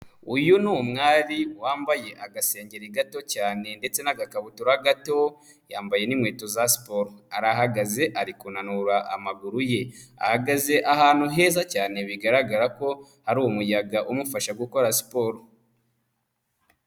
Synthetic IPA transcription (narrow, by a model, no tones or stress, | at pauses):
ujunuumŋaːɾiwaːmbaje̞ʔaɡaseːɲɟe̞ɾiɡato̞caːne̞nde̞t͡se̞naɡakaβutuɾaɡato̞ | jaːmbaje̞nimŋweːtozasi̥po̞ɾoaɾahaɡaze̞ʔaɾikunanuɾaʔa̰maɡuɾuje̞a̰haɡaze̞ʔahaːn̥huɦe̞ːzacaːne̞βiɡaɾaɡaɾako̞ | haɾuːwumujaɡaʔumufaʃaɡuko̞ɾasi̥poɾo